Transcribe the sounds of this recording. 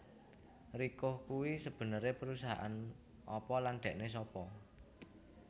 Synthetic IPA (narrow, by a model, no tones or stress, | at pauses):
rikʊhkuwisəb̥ə̤nəɾepəɾusaɦa̰ʔa̰n | ʔɔpɔland̪̥ɛ̤ʔnes̬ɔpɔ